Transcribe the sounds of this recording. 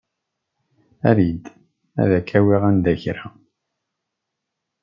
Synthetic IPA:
æɾid̪ | æ̰ðækʰːæwiʁænd̪æçɾa

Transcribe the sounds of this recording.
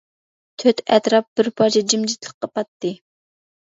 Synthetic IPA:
t̪ʰøt̪ʰɛt̪ɾɑp̚b̥ɪɾpʰɑɾt͡ʃʰɛd͡ʒimd͡ʒit̪lˠəqqːɑpɑt̪ːɨ

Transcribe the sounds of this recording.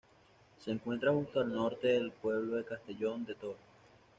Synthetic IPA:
se̞ːŋkwe̞nt̪ɾaxust̪oalno̞ɾt̪e̞ðelpwe̞β̞lo̞ðe̞kast̪e̞ʝo̞nd̪e̞t̪oɾo

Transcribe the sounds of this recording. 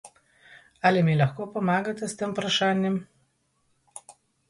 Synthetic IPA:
aːlimelɐxkoːpɔmaːɡat̪ɛst̪empɾaʃaːnʲjɛm

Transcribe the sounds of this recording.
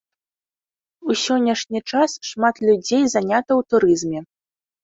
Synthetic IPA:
usʲɔnʲːɐʂnʲit͡ʂasʂmat̪lʲud͡zʲejzanʲat̪ɐwt̪uɾɨzmʲɛ

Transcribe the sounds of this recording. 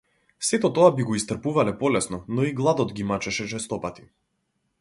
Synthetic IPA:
sɛt̪ɔt̪ɔabiɡɔist̪r̩puvalɛpɔlɛsnɔnɔiɡlˠad̪ɔd̪ɡimat͡ʃɛʃɛt͡ʃɛst̪ɔpat̪i̥

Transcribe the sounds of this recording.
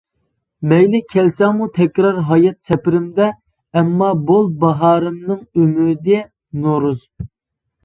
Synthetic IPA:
mɛjlɪkʲʰɛlsɛmut̪ʰɛkʲɾɑɾɦɑjɑt̪̚t͡ʃʰɛpɪɾɪmd̪ɛ | ɛmːɑbolˠbɑɦɑːɾɨmnɨŋymyɾd̪ɪ | noɾuz

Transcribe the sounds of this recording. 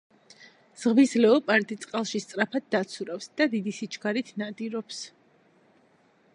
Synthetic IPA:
z̥ʁvizlɛɔpʼaɾt̪ʼit̪sʼqʼalˠʃist̪sʼɾapʰad̪̚ːat̪sʰuɾafsd̪̥ad̪id̪isit͡ʃʰɡaɾit̪ʰnad̪iɾɔps

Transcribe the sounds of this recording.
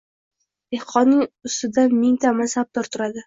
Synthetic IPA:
d̪̥ehqʰɒnːɪŋʊst̪ɪd̪amɪŋt̪ʰamasab̚d̪̥ɒɾt̪ʰʊɾad̪ɪ

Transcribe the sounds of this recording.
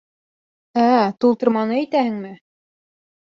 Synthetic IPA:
æt̪ulˠt̪ɤ̆ɾmɑnɤæjt̪æhɘ̆ŋmɘ

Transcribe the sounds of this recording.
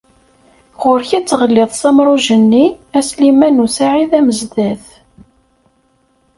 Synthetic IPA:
ʁʊɾçæt͡sːʁəlːɪðˤsɑmɾˤʊʒənːiæslimænusaʕiðæməzd̪æθ

